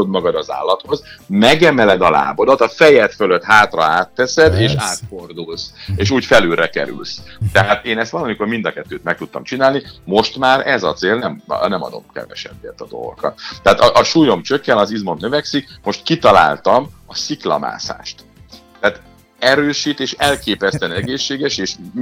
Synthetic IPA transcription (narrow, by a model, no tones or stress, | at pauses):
od̪mɒɡɒd̪ɒza̰ːlːɒt̪ho̞zmɛɡɛmɛlɛd̪ɒla̰ːbo̞d̪ɒt̪ɒfɛjɛt̪fø̞løt̪haːt̪rɒ̰aːt̪ːɛsɛd̪eːʃaːt̪fo̞rd̪ulseːʃuːcfɛlylɾɛkɛ̰ɾy̰lst̪ɛɦaːt̪eːnɛst̪ʋɒlɒmiko̞rmind̪ɒkɛt̪ːøːt̪mɛk̚t̪ut̪ːɒ̰mt͡ʃinaːlnimo̞ʃt̪maːɾɛzɒt̪seːlnɛmnɛmɒ̰d̪o̞̰mkɛ̰vɛ̰ʃɛ̰nviɛt̪ɒd̪o̞̰lɡo̰kɒ̰t̪t̪ːɛɦaːt̪ɒʔɒʃuːjo̞mt͡ʃøkːɛnlɒzizmo̞nːø̞vɛksikmo̞ʃt̪kit̪ɒla̰ːlt̪ɒmɒsiklɒ̰ma̰ːsa̰ːʃt̪ː | ɛat̪ | ɛɾøːʃiːt̪eːʃɛlkeːpɛst̪ɛnɛɡeːʃːeːɡɛʃeːʃ